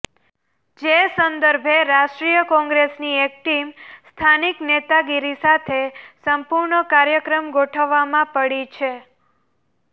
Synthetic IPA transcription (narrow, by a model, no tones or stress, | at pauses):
d͡ʒesənd̪əɾbʱeɾaʃʈɾijəkɔ̃ŋɡɾesniek̚ʈimst̪ʰaniknet̪aɡiɾisat̪ʰesəmpuɾɳəkaɾjəkɾəmɡoʈʰəʋːamãpəɽit͡ʃʰe